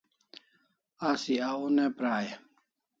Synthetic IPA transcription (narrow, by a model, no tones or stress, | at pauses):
asiaunepɾaːje